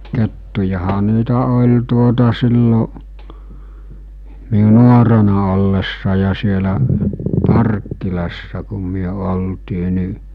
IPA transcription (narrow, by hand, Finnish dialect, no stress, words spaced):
ketːujɑhɑ niːtæ olʲ tuotɑ silːo miu nuorenɑ olːesːɑ jɑ sielæ pɑrkːilɑsːɑ kum̆ myø oltiː ni